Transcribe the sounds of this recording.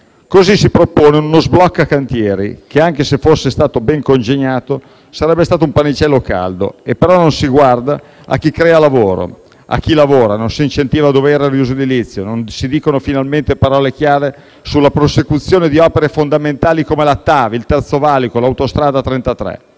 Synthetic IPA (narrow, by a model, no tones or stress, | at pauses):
kozisipɾopoːneunozblɔkːakːant̪jɛːɾḭkeaŋkesefosːest̪aːt̪obɛŋkond͡ʒeɲaːt̪o | saɾɛbːest̪aːt̪oumpanit͡ʃɛlːoka̰ld̪o̰epːeɾɔnonsiɡward̪a | a̰k̟ːikɾɛːalavoːɾo̰ | a̰k̟ːilavoːɾanonsint͡ʃent̪iːvad̪oːveɛːɾariuzod̪ilit̪sːjononsid̪iːkonofinalment̪epaɾɔːlek̟jaːɾe | sulːapɾosekut̪sːjoːned̪iɔpeɾefond̪ament̪aːlikomelat̪ːaːvilt̪ɛrt̪sovaːlikolawt̪ost̪ɾaːd̪at̪ɾent̪at̪ɾɛ̰